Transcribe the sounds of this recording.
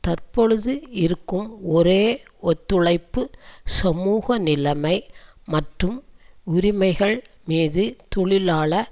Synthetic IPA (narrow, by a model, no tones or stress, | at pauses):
t̪ɐrpɔɻɯðɯɪɾɯkːɯmɔɾeː | ɔt̪ːɯɭɐɪpːɯsɐmuːɣɐnɪlɐmɐɪ | mɐʈrɯmʊɾɪmɐɪɣɐɭ | miːðɯt̪ɔɭɪlaːɭɐ